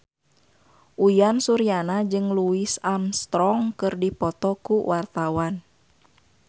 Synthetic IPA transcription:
ʔujansuɾianad͡ʒɨŋluisamst̪ɾɔŋkɨrdipɔt̪ɔkuwʔart̪awan

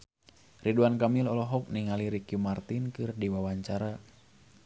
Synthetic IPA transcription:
riduankamilɔlɔɦɔk̚niŋaliɾikjumart̪inkɨrdiwawaɲt͡ʃaɾa

